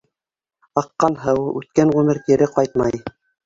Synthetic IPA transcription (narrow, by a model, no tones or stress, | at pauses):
ɑqːɑnɦɤwʉt̪̚kænʁʉmɘɾt̪iɾɘqɑjt̪̚mɑj